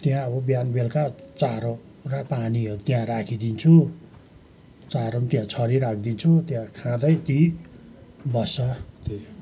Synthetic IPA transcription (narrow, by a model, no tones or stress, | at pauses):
t̪jãʌβʌbjanbelkat͡saɾõ | rʌpaniʌɾut̪jãrakʰid̪int͡sʰu | t͡saɾont̪jãt͡sʰʌɾiɾak̚ʰd̪int͡sʰut̪jãkʰãd̪ʌjt̪i | bʌsʌt̪e